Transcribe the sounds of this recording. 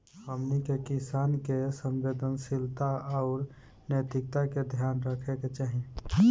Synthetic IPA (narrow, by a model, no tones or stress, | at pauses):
əmnikekisaːnkesəmbed̪ənsilt̪aɔʊɾ | nəjt̪ɪk̚t̪aked̪ʱjaːnɾəkʰeket͡ʃaːɦĩ